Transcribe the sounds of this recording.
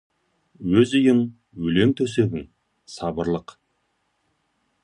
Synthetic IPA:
wɵzijɪŋ | wɵle̞ŋt̪ʰɵse̞ɡʲɪŋ | sɑbəɾlˠəq

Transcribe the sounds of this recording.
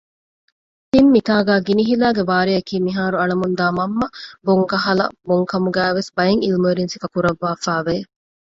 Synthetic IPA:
t̪imːit̪aːɡæːɡiniɦilæːɡeʋaːɾiɐkiːmiɦaːɾuɐɭɐmund̪aːmɐmːɐboŋkɐɦɐlɐ̰boŋkɐmuɡæːʋesbɐjeŋilmeːɾinsifɐkuɾɐʋːaːfæːʋe

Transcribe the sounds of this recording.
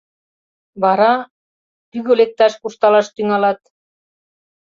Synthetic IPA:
βɑɾɑ | p̪yɣølek̚t̪ɑʃkurʃt̪ɑlɑʃt̪yŋɑlɑt̪̚

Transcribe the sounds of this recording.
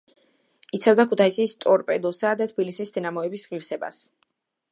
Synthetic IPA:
it̪sʰɛvd̪akʰut̪ʰaisist̪ʼɔɾpʼɛd̪ɔsad̪at̪ʰbilisisd̪ɛnamɔɛbisʁiɾsɛba̰s

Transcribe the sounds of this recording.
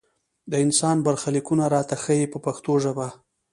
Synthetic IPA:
d̪əɪnsɑnbaɾxalikunaɾɑt̪axəjepəpaxt̪oʒaba

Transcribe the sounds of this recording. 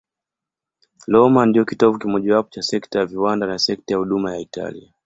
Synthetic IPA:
lɔmandiɔkitɔvukimɔʄawapɔ̥t͡ʃasɛktajaviwandanasɛk̚tajahuɗumajaita̰lḭa

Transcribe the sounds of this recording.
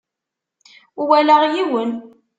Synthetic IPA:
uwælæʁjiwən

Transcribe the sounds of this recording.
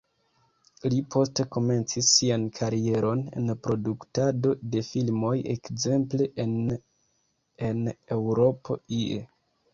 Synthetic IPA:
lipʰo̞ste̞ko̞me̞nt͡sisːiankʰaɾie̞ɾʔo̞ne̞̰npɾo̞duktado̞de̞filmo̞je̞̰kze̞mple̞ʔen | ene̞wɾo̞po̞̰iḛ

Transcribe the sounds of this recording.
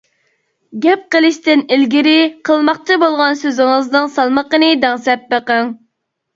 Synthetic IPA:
ɡʲɛp̚qəlˠɨʃt̪ɪnilɡʲiɾɪqʰəlˠmɑq̚t͡ʃʰɨbolˠʁɑnsøzɪŋəznɨŋsɑlˠməqənɨd̪ɛʁsɛp̚bəqəŋ

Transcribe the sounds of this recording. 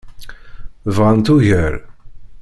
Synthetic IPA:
vʁant̪uʝəɾ

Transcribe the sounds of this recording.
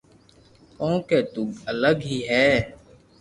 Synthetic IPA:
kõːkeːt̪ʊɡələɡɦiːɦɛː

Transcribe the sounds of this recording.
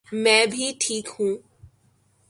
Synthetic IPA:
mɛ̃ːbʱiʈʰiːkhũː

